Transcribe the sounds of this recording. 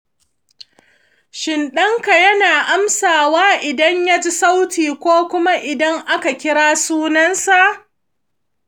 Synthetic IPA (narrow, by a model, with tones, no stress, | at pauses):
ʃɪ˨nɗɐ˦ŋka˨jɐ˦naː˨ʔa˦msaː˨waː˦ʔɪ˨dɐ˦ɲja˦d͡ʒɪ˦sa˦wtiː˨kʷoː˦kʷʊ˦ma˦ʔɪ˨dɐ˦ŋʔa˦ka˨kʲɪ˦ɽaː˦suː˦nɐ˦nsa˨ʔ